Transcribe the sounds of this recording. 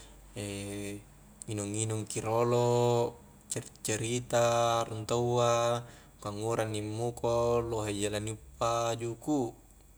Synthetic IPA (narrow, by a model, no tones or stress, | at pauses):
e | inuŋinuŋkiɾolo | t͡ʃaɾit͡ʃaɾit̪aɾunt̪awa | kaŋːuɾʔanːimːukoloɦed͡ʒalaniupːad͡ʒuku